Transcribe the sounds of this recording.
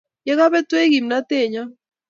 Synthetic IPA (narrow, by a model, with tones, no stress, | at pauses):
jɛ˦ɣa˦βɛ˦twe˦ɡi˨mna˦te˦˨ɲa˦